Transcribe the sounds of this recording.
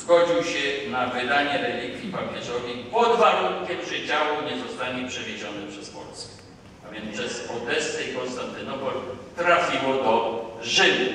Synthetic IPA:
zɡɔd͡ʑiwɕɛnavɘd̪aɲɛɾɛlʲiɡʲjipapʲjɛʐɔvʲɛjpɔd̪vaɾuŋkʲɛmʐɘd͡ʑawuɲɛzɔst̪aɲɛpʂɛvʲjed͡ʑɔnɘpʂɛspɔ̰lskɛ̥ | avʲjɛnʂɛsɔwd̪ɛst̪ɛikɔnst̪ant̪ɘnɔpɔlt̪ɾafʲiwɔd̪ɔʐɘd̪u

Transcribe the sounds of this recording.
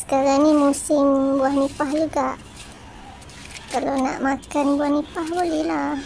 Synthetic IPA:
sə̥kaɾaŋnĩmusɪmbuahnipahd͡ʒuɡaʔ | kalona̰ʔmakanbuahnĩpahbolɛhlah

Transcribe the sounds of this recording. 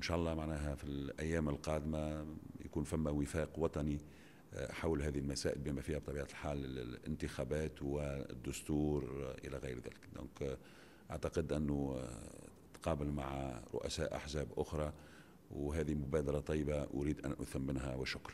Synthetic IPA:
ʔʔɪnʃæːʔɑlˤːɑːmaʕnæːɦæfilʔæ̰jːæːməlqɑːd̪maja̰kuːnfæmːæwɪfæːqwɑt̪ˤɑni | ħawlɦæːðihɪlmæsæːʔɪlbiːmæfiːhæb̚t̪ˤɑbiːʕalħaːlːɪɪ̰nt̪ɪxæbæːt̪wɪ̰d̪ːʊst̪uːɾʔɪ̰læɣɪjɾðæ̰lɪkd̪õ̰ːk | ʔaʕt̪ɑqɪd̪ʔɪnːu | t̪qɑːbɪlmaʕɾˤʊ̰ʔæ̰sæːʔa̰ħzæːbʔʊxɾˤɑ | wɦæːðimʊbæːd̪ɑɾˤɑt̪ˤɑjːbaʔʊ̰ɾiːd̪ʔænʔʊ̰θhɪmːɪnɦæwɪʃʊkɾˤ

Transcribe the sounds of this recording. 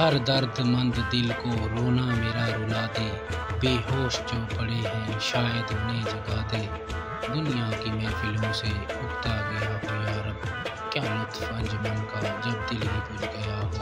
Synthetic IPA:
ɦəɾd̪əɾd̪mə̃nd̪d̪ɪlkoɾoːnameːɾaɾʊlaːd̪eː | beːɦoːʃd͡ʒoːpəɽeɦɛ̃ːʃaːjəd̪nẽːd͡ʒəɡaːd̪ẽː | d̪ʊnɪjakimɛ̃ːfʰɪlõseʊkt̪aɡɐjaːɦoːjaːɾəb̚ | kjaːmʊt̪ʰfɐ̃nd͡ʒmənkad͡ʒɐb̚d̪ɪlɦẽpʊt͡ʃɡɐjaː

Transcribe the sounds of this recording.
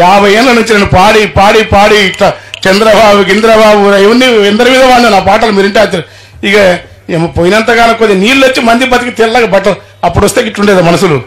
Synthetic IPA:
jaːbʱɐjeːnlɐnuɲt͡ʃineːnupaːɽipaːɽipaːɽiʈlɐt͡ʃɛnd̪ɾɐbaːbuɡind̪ɾɐbaːbuɾɐiʋɐnːiɛnd̪ɐɾɐmiːd̪ɐʋaːɳenaːpaːʈɐlɐmiːɾɐɳʈeat͡ʃ̪ːɐɾ | ikɐ | emɐpoːjinɐnt̪ɐɡaːnɐkod̪eniːllot͡ʃːimɐnd̪ibɐt̪ːikit̪ɛːɾɐlaːɡɐbɐʈːɐl | ɐpːuɽʋɐst̪eːkiʈːuɳɖeːd̪umɐnɐsulṵ

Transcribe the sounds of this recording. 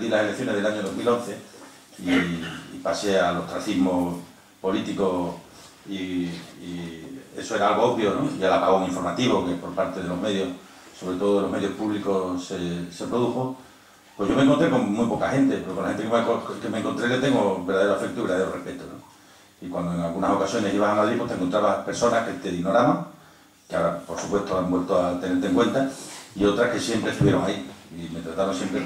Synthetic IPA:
ðilaselekθjo̞neðe̞laɲoðo̞ɦmilo̞n̟θe̞ | iː | pase̞alo̞ht̪ɾaθiɦmo̞ | po̞lit̪iko | iie̞̰soeɾaalɣo̞opjonoʝalapaɣoŋiɱfo̞ɾmat̪iβoke̞po̞ɾpaɾt̪e̞ðe̞lo̞ɦme̞ðjo̞h | so̞βɾe̞t̪o̞ðoðelo̞me̞ðjo̞hpuβliko̞sese̞pɾoðuxo | pwe̞ʝo̞mẽŋkont̪ɾe̞ko̞ŋmːwujpo̞kahe̞nt̪epeɾokonlahe̞nt̪ekemkemẽŋkont̪ɾe̞let̪e̞ŋɡoβe̞ɾðaeoafe̞k̚t̪ouiβɾðaðeɾorehpe̞t̪uno̰ | ikwand̪oe̞ŋalɣunaso̞kasjo̞ne̞siβaβaŋaðɾipwo̞t̪eŋko̞nt̪ɾaβape̞ɾso̞nahket̪e̞ðino̞ɾaβaŋ | keaɾapoɾsupwe̞ht̪oambwe̞lt̪oat̪e̞ne̞ɾt̪eŋkwe̞nt̪aiot̪ɾahke̞sje̞mpɾest̪uβje̞ɾo̞ŋaiime̞t̪ɾat̪aβonsje̞mpɾe

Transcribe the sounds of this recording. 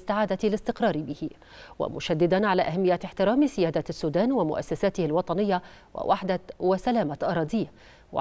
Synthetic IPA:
st̪ːaʕaːd̪alɪst̪ɪqɾˤɑːɾbɪhɪ | wa̰mʊʃad̪ːɪd̪anʕalaːʔahamːɪjːaɪħt̪ɪɾaːmsɪjaːd̪asːuːd̪aːnwamʊ̰ʔa̰sːasaːt̪ɪhalwɑt̪ˤɑnɪjːa | wɪ̰wʔaħd̪awasalaːmaʔɑɾˤɑːd̪iː | wa̰

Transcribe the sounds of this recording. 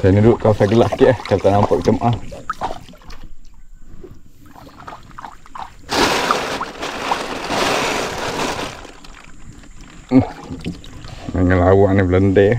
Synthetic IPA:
sajnuduʔ̚kasaɡəlaʔsə̥kiʔahkalt̪aʔnampaʔit̪əmaʔa | h | naŋəlawaʔnibləndɛʔ

